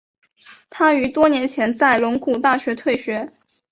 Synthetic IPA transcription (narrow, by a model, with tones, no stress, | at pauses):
t̪ʰa˥y˧˥t̪wɔ˥njɛ˧˥nt͡ɕʰjɛ˧˥nt͡sa˥˩ɪlʊ˧˥ŋku˥˧t̪a˥˩ɕɥɛ˧˥t̪ʰwe˥˩ɪɕɥɛ˧˥